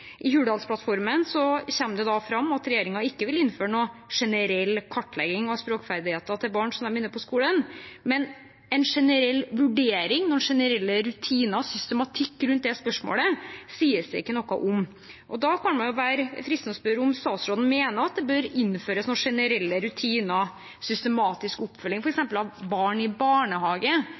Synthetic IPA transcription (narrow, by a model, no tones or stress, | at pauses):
ʔɪhʉːɖ̪ɑlspʰlɑt̪fɔɾmənsɔɕɛmd̪ɛd̪ɑfɾɑmːɑt̪ɾɛjeːɾɪŋɑɪkːəʋɪlɪnːføːɾəɳoːʂɛnəɾɛlːkʰɑʈːlɛɡɪŋɑʋspɾoːkfæɾd̪ɪheːt̪ɑt̪ʰɪlbɑːɳsɔmd̪ɛmɪnːəpʰɔskuːlənmɛn | ɛnʂɛnəɾɛlːʋʉɖeːɾɪŋnɔnʂɛnəɾɛlːəɾʉt̪ʰiːnɑsʏst̪əmɑt̪ʰɪkːɾʉnt̪̚d̪ɛspœʂmo̰ːləsiːəsd̪ɛɪ̰kːənɔkːɑ̰ʔʊm | ʔɔd̪ɑkʰɑnmɑnjʊʋæːɾəfɾɪst̪nsbøɾəʊmst̪ɑːt̪sɾoːd̪n̩meːnəɑt̪̚d̪ɛbøɾɪnføːɾəsnɔʂɛnəɾɛlːəɾʉt̪ʰiːnɑ | sʏst̪əmɑːt̪ɪskʊpːfœlːɪŋfɔɾɛksɛmpəlɑʋbɑːɳɪbɑːɳəhɑːɡə